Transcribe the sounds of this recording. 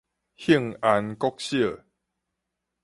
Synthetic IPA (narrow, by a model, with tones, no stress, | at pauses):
hi˦˥˩ŋa˨˧nkɔ˦k̚ɕjə˥˨